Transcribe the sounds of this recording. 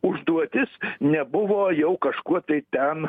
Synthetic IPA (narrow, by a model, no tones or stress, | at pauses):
ʊʒd̪uɔt̪ʲɪsnʲɛbʊʋoːjɛʊkɐʃkuɔt̪ɐɪt̪ʲɛn